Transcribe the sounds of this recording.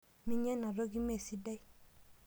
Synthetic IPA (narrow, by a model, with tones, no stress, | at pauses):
mi˨ɲɛ˦na˨ɾo˦ɡi˦me˦˨si˦dɛ˦i˦